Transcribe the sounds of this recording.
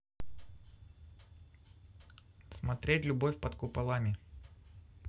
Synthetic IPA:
smɐt̪ɾʲetʲlʲʊbofʲpɐt̪kʊpɐlˠamʲɪ

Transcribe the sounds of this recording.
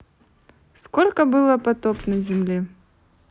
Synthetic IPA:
skolʲkəbɨlˠəpɐt̪opnəzʲɪmlʲe

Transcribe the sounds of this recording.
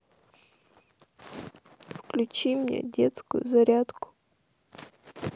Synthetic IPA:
wklʲʊt͡ʃɪmnʲa̰dʲɛt̪skʊ̰jʊ̰zɐɾʲad̪kʊ̥

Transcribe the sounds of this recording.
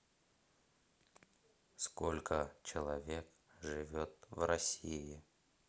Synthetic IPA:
skolʲkət͡ɕɪlˠɐvʲek | ʐɨvʲot̪vrɐsʲiɪ

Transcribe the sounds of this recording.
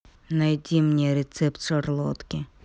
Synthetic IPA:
nɐjd̪ʲimnʲiɾet̪sɛpt̪t͡ʃɐrlˠɔt̪kʲɪ

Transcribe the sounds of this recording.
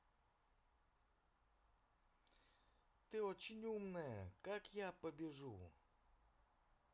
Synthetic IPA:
t̪ɪɔt͡ʃɪnʲuwmnɛkakjapɔbʲiʐu

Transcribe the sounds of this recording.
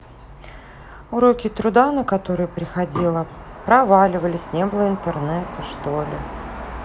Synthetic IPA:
ʊɾo̞kʲɪt̪ɾʊd̪anəkɐt̪o̞ɾɨjəpɾʲɪxɐdʲilˠə | pɾɐvalʲɪvəlʲɪsʲnʲe̞bəlˠəɪnt̪ɨrnɛt̪ɨʂt̪olʲɪ

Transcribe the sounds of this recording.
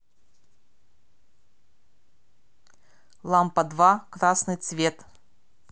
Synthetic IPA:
lˠampɐd̪vakɾasnɨjt̪svʲet̪

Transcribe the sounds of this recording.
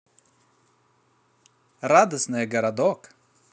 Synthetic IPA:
rad̪əsnɨjəɡɐɾɐd̪ɔk

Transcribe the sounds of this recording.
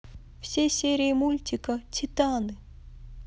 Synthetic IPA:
fsʲesʲeɾʲiimulʲt̪ʲikət̪ʰʲit̪anɨ

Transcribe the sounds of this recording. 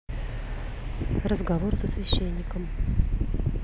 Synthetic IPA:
rəzɡɐvo̞rsəsvʲɪɕːenʲːɪkəm

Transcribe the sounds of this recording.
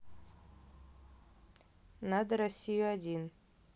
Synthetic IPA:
nad̪əɾɐsʲːijʊadʲin

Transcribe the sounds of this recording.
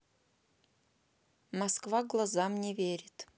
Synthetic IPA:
maskvaɡlˠazamnʲevʲeɾʲitʼ

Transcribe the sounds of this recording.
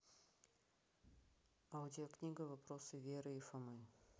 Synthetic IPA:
aʊdʲɪoknʲiɡəvɐpɾosɨvʲeɾɨifɐmɨ

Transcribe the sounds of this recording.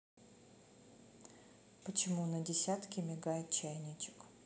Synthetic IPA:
pət͡ɕɪmunədʲɪsʲat̪kʲɪmʲɪɡajɪt̪̚t͡ɕajnʲɪt͡ɕɪ̥k

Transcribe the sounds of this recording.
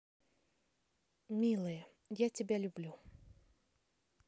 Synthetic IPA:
mʲilˠɨjɛ | jat͡sʲɪbʲɛlʲublʲu

